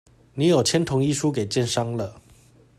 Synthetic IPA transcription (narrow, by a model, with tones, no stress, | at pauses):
ni˧˥˦jo˨˩ʊt͡ɕʰjɛ˥nt̪ʰʊ˧˥ŋi˥ʂu˦ke˨˩ɪt͡ɕjɛ˥˨nʂɑ˥ŋlə˨